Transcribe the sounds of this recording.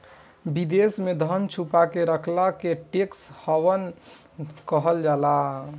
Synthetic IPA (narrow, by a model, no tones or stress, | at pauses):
bid̪esmed̪ʱənt͡ʃʰupakeɾəkʰlakeʈekshəwən | kəɦəld͡ʒala